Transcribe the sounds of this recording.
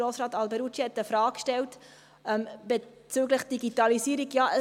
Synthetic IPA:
oːsɾɑːtɑlbɛɾut͡ʃihɛtːəfɾɑːkkʃtɛlt | ɛmb̥e | t͡søɡləχd̥iɡitɑlisiːɾiɡjɑʔə

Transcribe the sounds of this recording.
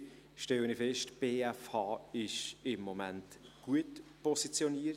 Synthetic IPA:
ʃtɛwənifɛʃtb̥eːɛfhɑːɪʃɪmːomæntɡ̥uətpɔsit͡sjoniə

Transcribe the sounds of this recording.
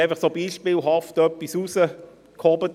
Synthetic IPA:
æɪfɐχsoːbiːʃpɪlɦɑftœpːisusə | kʰhɔbət

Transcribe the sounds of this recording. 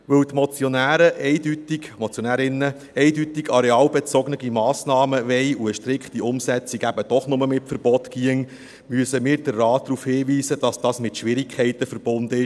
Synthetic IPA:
ʋɵwtmɔt͡sjɔnæːɾəʔɛɪdytɪɡmɔt͡sjonæːɾɪnːə | ɛɪdytɪɡɑɾɛɑːlbɛt͡sɔɡnəɡimɑːsnɑːməʋɛɪuəʃtɾɪkχtiʊmsɛt͡sɪɡæbəd̥ɔχnʊməmɪtfəɾbɔtkiəŋ | myəsəmɪːɾd̥ərːɑːt̚d̪̥ɾuːfhɪːʋiːsəd̥ɑsd̥ɑːsmɪtʃʋɪɾɪkʰχɛɪtəfəɾb̥ʊndəɪ

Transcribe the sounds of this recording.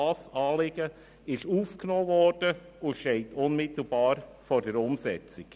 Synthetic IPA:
ɑsɑːlɪɡ̥ə | ɪʃuːfknoːvɔɾd̥ə | ʊʃtɛɪtʰʊnmɪt̪l̩b̥ɑːɾfoːɾdɛɾʊmsɛt͡sɪk

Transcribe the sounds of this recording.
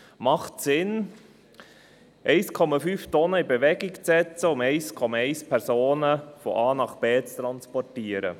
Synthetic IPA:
mɑχtsɪn | ʔɛɪskʰɔmɑfyft̪ɔnəibɛʋɛɡɪkt͡sɛt͡səʊmɛɪskʰɔmɑɛɪspʰɛɾsoːnəfɔ̰ʔɑːnɑχb̥eːt͡st̪ɾɑnspɔrtiːəɾə̰

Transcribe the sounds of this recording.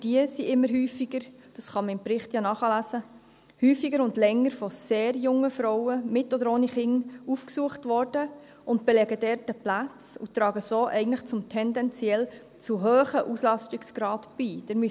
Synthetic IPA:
d̥iəsiʔɪmːəɾɦyːfiɡ̥əɾ | d̥ɑsχɑməɪmpɾɪχtjɑnɑːχəlæzə | hyːfiɡəɾʊndlɛŋːəɾfɔseːɾjʊŋːəfɾɔwəmɪtɔdəɾoːniχɪŋufksuəχtʋɔɾd̥ə | ʔʊnt̚b̥ɛlɛɡədɛrtəplæt͡sṵtɾɑːɡəsoːʔɛɪɡn̩tləχt͡sʊmtʰɛndɛnt͡sjɛl | t͡suɦøːχəʔuslɑstɪksɡ̥ɾɑːtb̥iːd̥ɪɾmy

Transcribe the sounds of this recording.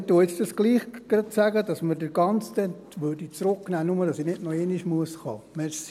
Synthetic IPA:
tuəɪt͡sd̥ɑsɡ̥liːχɡ̥ɾɑdsæɡədɑsməɾdəɾɡ̥ɑnt͡st̪ɛ | ʋøːrd̥it͡sɾʊkːnæːnʊmədɑsinɪdnɔeniʃmuəsχɑ̰ːmɛ

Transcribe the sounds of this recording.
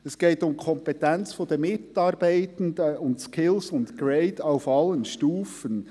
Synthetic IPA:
ɛsɡ̥eːtʊmkʰɔmpɛtɛnt͡sfɔd̥ɛmɪtɑːɾbɛɪtən̩dəʊntskʰɪlsʊntɡ̥ɾɛɪdaʊfɑlːənʃtuːfən

